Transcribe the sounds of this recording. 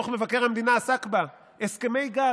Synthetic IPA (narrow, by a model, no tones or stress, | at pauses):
χme̞vake̞ʁhamed̪inaːsakba | eskeme̞jɡa